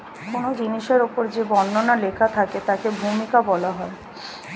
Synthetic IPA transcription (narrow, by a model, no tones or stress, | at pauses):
konod͡ʑiniʃeɾopoɾd͡ʑebɔnːonalekʰat̪ʰaket̪akebʱumikabɔlaɦɔe